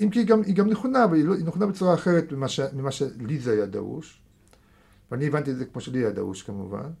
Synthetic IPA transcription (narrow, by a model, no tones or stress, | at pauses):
imkiiɡamiɡamneχonavaliloineχonabet͡suʁaːχe̞ʁet̪mimaʃemimaʃelizeajad̪a̰ṵʃ | veanievant̪̬iedzekmo̞ʃeliajad̪a̰ṵʃkamṵva̰n